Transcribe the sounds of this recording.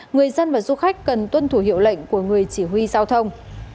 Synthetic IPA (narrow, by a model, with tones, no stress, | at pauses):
ŋɨ˨˩əjzə˧nvaː˨˩zu˧xa˦˥jk̟̚kə˨˩nt̪wə˧nt̪ʰu˧˩ɦḭ˧˨wlə̰˧˨jŋ̟ku˧˩əŋɨ˨˩əjt͡ɕi˧˩ɦwi˧zaː˧wt̪ʰə˧wŋ͡m